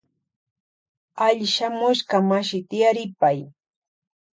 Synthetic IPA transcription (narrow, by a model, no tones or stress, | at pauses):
aʎʃamʊʃkamaʃɪt̪ɪjaɾɪpaj